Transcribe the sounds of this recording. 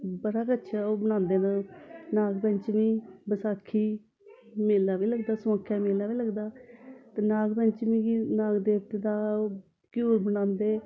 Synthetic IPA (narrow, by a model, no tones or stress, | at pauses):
bəɽaːkətːʃʰaːoːbəñãːnd̪eːnaːnaːɡpə̃ɲt͡ʃmiːbəsaːkʰːiː | meːlːaːʋiːləɡd̪aːsãːkʰːjaːmeːlaːʋiːləɡd̪aːt̪eːnaːɡpə̃ɲt͡ʃmĩːɡinaːɡd̪eːt̪eːd̪aː | kjuːɾbənãːnd̪eː